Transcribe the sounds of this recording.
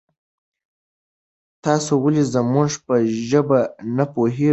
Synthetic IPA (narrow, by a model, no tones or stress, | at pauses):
t̪ɑsowəlizəmʊʐpəʒəbanapoɦe